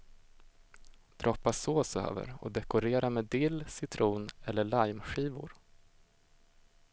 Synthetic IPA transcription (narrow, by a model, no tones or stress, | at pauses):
d̪̥ɾɔpːasoːsbəhø̰ːvə̰ɾɔ̰d̪ɛkʊɾeːɾameːd̪ɪlːsɪt̪ʰɾuːnɛlːəɭajmɧiːvʊ̰ɾ